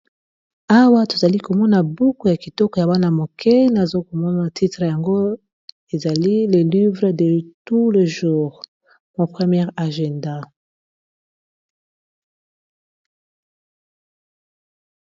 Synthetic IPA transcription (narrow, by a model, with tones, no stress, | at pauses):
a˦wa˦to̥˨za˨li˦ko˨mɔ˦na˨bu˦ko˨ja˨ki˨tɔ˦kɔ˨ja˨ba˦na˨mo˨kʰɛ˦na˨zo˦ko˨mɔ˦na˨tʰi˦tʁə˨ja˨ŋɡo˦ | e˨za˨li˦le˨li˦vʁe˨de˨tu˦lə˨ʒu˦˨ʁ | mo˨pχə˦mjɛ˦ʁa˨ʒɛ˨nda˦